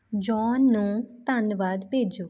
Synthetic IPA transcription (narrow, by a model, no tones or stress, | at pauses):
d͡ʒɔːnːũːt̪ənʋaːd̪peːd͡ʒoː